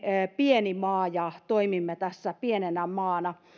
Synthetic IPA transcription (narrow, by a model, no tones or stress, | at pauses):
pienimɑːjɑt̪oimimːet̪æsːæpienenæmɑːnɑ